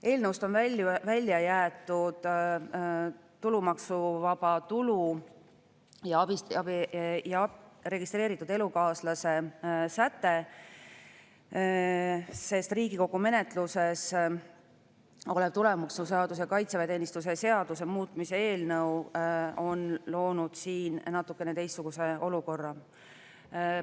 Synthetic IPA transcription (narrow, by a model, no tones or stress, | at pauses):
e̞ːlnəwst̪o̞nvælvælʲːjɑjæːt̪ːˑud̪̥ | t̪ːulumɑksuvɑb̥ɑt̪ulu | jɑɑbiɑbijɑre̞ɡ̥ist̪re̞ːɾit̪ːˑud̪e̞lukɑːslɑse̞sæt̪ːe̞ | se̞st̪riːɡiko̞ɡ̥ume̞ne̞t̪ˑluse̞s | oleb̥t̪ule̞muksnuse̞ɑd̪us̬ekɑjt̪sevet̪e̞ːnist̪us̬ese̞ɑd̪̥us̬emuːt̪ːˑmise̞e̞ːlnɤwo̞nlo̞ːnud̪̥siːnnɑt̪ːˑukːˑe̞net̪e̞jst̪ːsuɡ̥use̞o̞luko̞rːɑ